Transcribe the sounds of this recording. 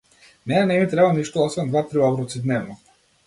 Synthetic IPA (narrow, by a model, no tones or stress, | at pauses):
nɛnɛmit̪ɾɛbaniʃt̪ɔɔsvɛnd̪vat̪ɾiɔbɾɔt̪sid̪nɛvnɔ